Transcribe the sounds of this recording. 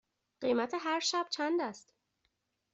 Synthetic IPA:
ɢ̥ejmæt̪ʰeɦæɾʃæb̥̚t͡ʃʰænd̪æst̪

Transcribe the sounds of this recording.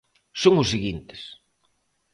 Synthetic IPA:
soŋʊsiɣint̪e̥s

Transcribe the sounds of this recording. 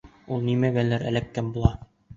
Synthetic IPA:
ulˠnimæbælːæɾæ̰lækːæmbulˠɑ

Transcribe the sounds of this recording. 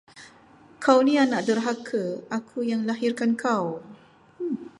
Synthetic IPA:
kʰawnianaʔdərɦakʰəakʰujaŋlaɦirkankʰaw

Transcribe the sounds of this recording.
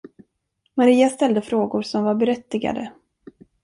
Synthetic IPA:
maɾiːast̪ɛld̪əfɾoːɡʊɾsɔmvaɾbɛɾɛt̪ːɪɡa̰d̪ə

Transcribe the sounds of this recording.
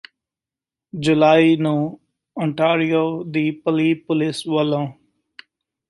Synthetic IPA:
d͡ʒʊlaːiːnũː | ɔ̃ːɳʈaːɾijoːd̪iːpəliːpʊlɪsʋəlõː

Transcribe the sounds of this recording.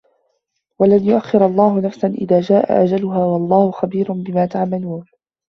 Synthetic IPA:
walanjʊʔaxːɪɾɑlˤːɑːɦʊnafsanʔɪ̰ðaːd͡ʒaːʔa̰ʔad͡ʒalʊɦaːwɑlˤːɑːhʊxabiːɾʊnbɪmaːt̪aʕmaluːn

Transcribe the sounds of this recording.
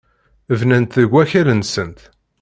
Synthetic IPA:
əvnænt̪ðəɡʷːæçælənsənt̪

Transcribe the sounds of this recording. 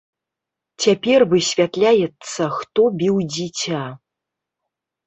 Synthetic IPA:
t͡sʲapʲɛrvɨsʲvʲat̪lʲajɛt̪sːɐxt̪ɔbʲiwd͡zʲit͡sʲa

